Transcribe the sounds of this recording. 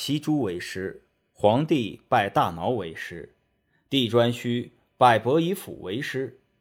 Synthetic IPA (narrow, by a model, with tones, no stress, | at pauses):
ɕi˥ʈ͡ʂu˥we˧˥ɪʂɻ̩˥ | xwɑ˧˥ŋt̪i˥˧pa˥˧˩ɪt̪a˥˩nɑ˧˥ʊwe˧˥ɪʂɻ̩˥ | t̪i˥˩ʈ͡ʂwa˥nɕy˥ | pa˥˩ɪpɤ˧˥i˧˥fṵ˨˩wḛ˧˥ɪʂɻ̩˥